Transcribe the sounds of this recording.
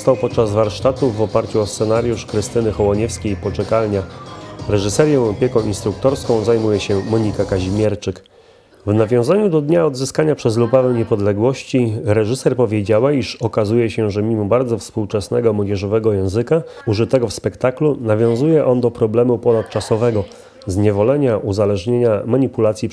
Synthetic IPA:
st̪awpɔt̪̚t͡ʂazvaɾʂt̪at̪uvɔpaɾt͡ɕuɔst̪sɛnaɾʲjuʂkɾɘst̪ɘnɘxɔwɔɲɛfskʲejpɔt͡ʂɛkalɲaɾɛʐɘsɛɾjɔ̃w̃ɔpʲjɛkɔ̃w̃inst̪ɾuk̚t̪ɔɾskɔ̃w̃zajmujɛɕɛmɔɲikakaʑimʲjɛɾt͡ʂɘk | vnavʲjɔ̃w̃zaɲud̪ɔd̪ɲaɔd̪zɘskaɲapʂɛzlupavɛɲɛpɔd̪lɛɡwɔɕt͡ɕiɾɛʐɘsɛɾpɔvʲjed͡ʑawaiʂɔkazujɛɕɛʐɛmʲimɔbaɾd̪zɔfspuwt͡ʂɛsnɛɡɔmwɔd͡ʑɛʐɔvɛɡɔjɛ̃w̃zɘkauʐɘt̪ɛɡɔfspɛkt̪aklunavʲjɔ̃w̃zujɛʔɔnd̪ɔpɾɔblɛmupɔnat̪t͡ʂasɔvɛɡɔ | zɲɛvɔlɛɲaʔuzalɛʐɲeɲamaɲipulat̪sʲji

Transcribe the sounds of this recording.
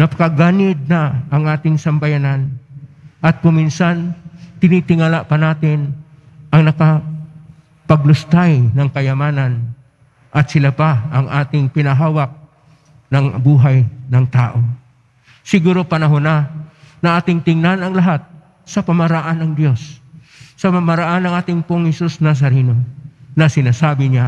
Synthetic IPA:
nɐpɐ̥kɐɡaːnɪd̪̚nɐɐŋaːt̪ɪŋsɐmbɐjanan | ʔɐt̪̚kʊminsant̪ɪnit̪ɪŋalapɐnaːt̪ɪn | ʔɐŋnɐkɐ | pɐɡ̚lʊst̪ajnɐŋkɐjɐmaːnan | ʔɐt̪̚sɪlapaɐŋʔaːt̪ɪŋpɪnɐɦaːwak̚ | nɐŋbuːɦajnɐŋt̪aːʔo̞ | sɪɡuːɾo̞pɐnɐɦonanɐʔaːt̪ɪŋt̪ɪŋnanɐŋlɐɦat̪̚ | sɐpɐmɐɾɐʔanːɐŋd̪jo̞sː | ɐpɐmɐɾɐʔanːɐŋʔaːt̪ɪŋpoŋhɛsusnas̬ɐɾinonɐsɪnaːsaːbɪɲa

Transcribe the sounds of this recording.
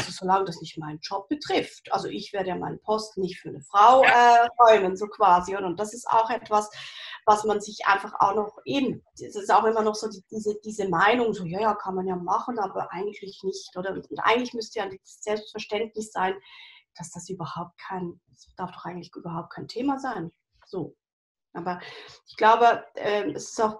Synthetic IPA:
ʔaz̥ozolaŋəd̥asnɪçtmaɪnənd͡ʒɔp̚b̥ətʁ̥ɪftʔa̰lzoʔɪçv̥eːɐɾəjaːma̰ɪnəpʰɔstnɪçtfyːɐnəfʁ̥aʊʔɛːʁɔʏmənzoːkʰv̥aːzioːdɾɐʊntd̥asɪsta̰ʊxʔɛtv̥asvasmanzɪçʔa̰ɪnfaχa̰ʊxnɔχʔeːbm̩̥ | sɪstaʊxɪmɐnɔχz̥oːdid̥iːzəd̥iːzəmaɪnʊŋzoːjaːjaːkʰanmanjaːmaχn̩aːbɐʔa̰ɪɡŋ̩tʰlɪçnɪçtʔoːɾɐʊntʔa̰ɪɡŋ̩tlɪçmʏstəjaːdiːzəsz̥ɛlpstfɛɐʃtɛntnɪsz̥aɪnd̥asd̥asyːbɐhaʊp̚t̚kʰaɪn | sd̥aɐfd̥ɔχaɪɡŋ̩tlɪçʔyːbɐɦaʊp̚t̚kʰaɪntʰeːmazaɪn | z̥oː | ʔaːbɐʔɪçɡ̥laʊbəʔɛːmɛsɪ̥staʊx

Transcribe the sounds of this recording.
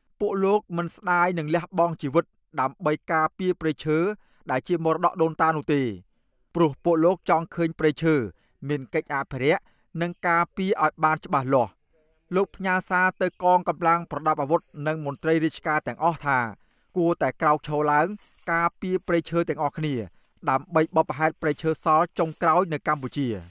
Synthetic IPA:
puəʔloːk̚mɨnsɗaːjnɨŋlɛ̆əhɓɑŋt͡ɕiːʋɨt̪̚ | ɗaəmɓəjkaːpiəpreːt͡ɕʰəː | ɗaɛlt͡ɕiəmorɗɑ̰ʔɗoːnt̪aːnŭəht̪eː | prʊ̆əhpuəʔloːk̚t͡ɕɑŋkʰəːɲpreːt͡ɕʰəː | miənkəc̚ʔaːpʰiɾɛ̆əʔ | nɨŋkaːpiəʔaɔjɓaːnt͡ɕə̆ɓahlŏəh | loːk̚pʰɲaəsaːt̪ɨwkɑːŋkɑmlaŋprɑɗap̚ʔaʋut̪̚nɨŋmʊ̆ənt̪rəjriət͡ɕkaːt̪ɛ̆əŋʔɑht̪ʰaː | kuət̪aɛkraɔk̚t͡ɕʰoːlaəŋ | kaːpiəpreːt͡ɕʰəːt̪ɛ̆əŋʔɑhkʰniə | ɗaəmɓəjɓɑpːɦaɛt̪̚preːt͡ɕʰəːsɑlt͡ɕoŋkraɔjnɨwkamput͡ɕiə

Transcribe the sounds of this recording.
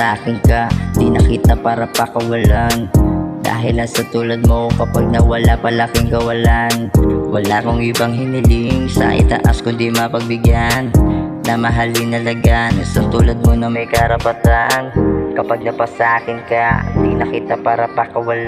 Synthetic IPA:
ʔaːkɪnkɐd̪inɐkiːt̪ɐpaːɾɐpɐkɐwɐland̪a̰ːɦɪlɐsɐt̪uːlɐd̪̚mokɐpaɡ̚nɐwɐlapɐlakɪŋkɐwɐlanwɐlakoŋʔɪbɐŋɦɪnɪlɪŋsɐ̰ʔɪ̰t̪ɐ̰ʔa̰skʊnd̪imɐpɐɡ̚bɪɡjanːɐmɐɦalɪŋnɐlɐɡansɐt̪uːlɐd̪̚monɐmɐjkɐɾɐpɐt̪aːʔɐnkɐpaɡ̚nɐpasɐʔaːkɪnkɐnd̪inɐkiːt̪ɐpaːɾɐpɐkɐwɐla

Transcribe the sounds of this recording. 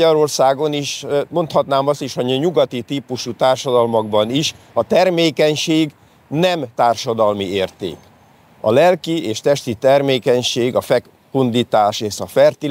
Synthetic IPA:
ɒɾo̞rsaːɡo̞niʃmo̞nt̪hɒt̪naːmɒst̪iʃɒɲuɡɒt̪it̪iːpuʃut̪aːrʃɒd̪ɒlmɒɡbɒniʃ | ɒt̪ɛrmeːkɛɲʃeːɡ | nɛmt̪aːrʃɒd̪ɒlmieːrt̪ḛːk | ɒ̰lɛlkieːʃt̪ɛʃt̪it̪ɛrmeːkɛɲʃeːɡɒfɛk | pund̪it̪aːʃeːʃɒfɛrt̪i

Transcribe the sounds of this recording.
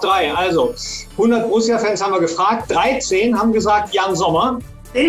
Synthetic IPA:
d̥ʁaɪʔalzohʊndɐt̚b̥ʁʊsjaːfɛnshabm̩viːɐɡəfʁ̥aːk̚t̚d̥ʁaɪt͡seːnɦaːbm̩ɡəzaːk̚tjaːnzɔmɐ

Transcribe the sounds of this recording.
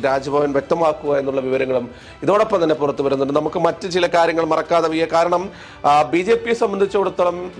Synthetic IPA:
ɾaːd͡ʑɐbʱɐʋɐnʋje̞k̚t̪ɐmaːkːuɣaje̞nːuɭːɐʋiʋɐɾɐŋːɐɭum | iðo̞ːɽo̞pːɐmt̪ɐnːepurɐt̪ːuʋɐɾunːunɐmukːɨmɐtːɨt͡ɕilɐkaːɾjɐŋːɐɭmɐrɐkːaːðɐʋijɐkaːɾɐɳɐm | bid͡ʑe̞ːpːijsɐmbɐnd̪ʱit͡ɕːɐoɽut̪ːɐɭɐm

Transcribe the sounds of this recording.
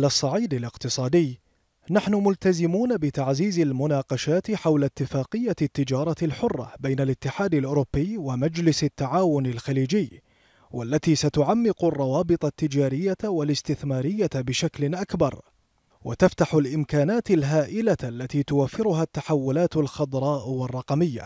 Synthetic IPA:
lasˤːɑʕiːd̪alɪqt̪ɨsˤɑːd̪ɪjː | naħnʊmʊlt̪azɪmuːnabɪt̪aʕziːzalmʊnaːqɑʃaːt̪ħawlat̪ːɪfaːqɨjːat̪ːɪd͡ʒɑːɾˤɑlħʊrˤːɑ̰bajnalɪt̪ːɪħaːd̪alʔʊːɾʊbːɪjwamad͡ʒlɪsɪt̪ːaʕaːwʊnɪlxaliːd͡ʒɪjː | wʔalːat̪iːsat̪ʊʕamːɪqrˤːɑwɑːbɨt̪ˤɑt̪ːɪd͡ʒaːɾɪjːawalɪst̪ɪθmaːɾɪjːabɪʃaklɪnʔakbɑ̰ɾˤ | wʔa̰t̪aft̪aħʊlʔɪmkaːnaːt̪ɪlɦaːʔɪlaʔlːat̪iːt̪ʊwafːɪɾʊɦat̪ːaħawːʊlaːt̪alxɑd̪ˤɾˤɑːʔwɑrˤːɑqɑmɪjːa̰

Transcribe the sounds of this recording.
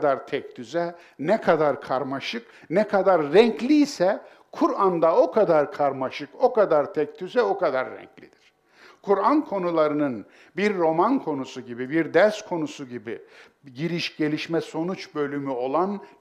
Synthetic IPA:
d̪aɾt̪ʰɛc̚t̪ʰyzɛ | nɛkʰad̪aɾkʰaɾmaʃɯk | nɛkʰad̪aɾːɛɲclʲiːsɛ | kʰuɾand̪ao̞kʰad̪aɾkʰaɾmaʃɯko̞kad̪aɾt̪ʰɛc̚t̪ʰyzɛo̞kʰad̪aɾːɛ̰ɲclʲid̪̥iɾ̥ | kʰuɾankʰo̞nulˠaɾɯnɯn | biɾːo̞mankʰo̞nusuɟibibiɾd̪ɛɾskʰo̞nusuɟibi | ɟiɾiʃɟe̞lʲiʃmɛso̞nut͡ʃbø̞lʲymyo̞lˠan

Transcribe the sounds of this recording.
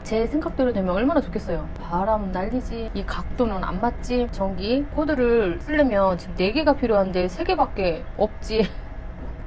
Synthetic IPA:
t͡ɕe̞sʰe̞ŋɡak̚t͈eɾodwe̞mjʌnʌɭmanat͡ɕokʰes͈ʌjopaɾamnːaʎːid͡ʑiːkak̚t͈onɯna̰nmat̚t͡ɕ͈it͡ɕʌŋɡikʰodɯɾɯɭsʰɯɭːemjʌnt͡ɕimne̞ɡeɡapʰiɾjoɦannde̞sʰe̞ɡe̞bak͈̚e̞ | ʌp̚t͡ɕ͈i

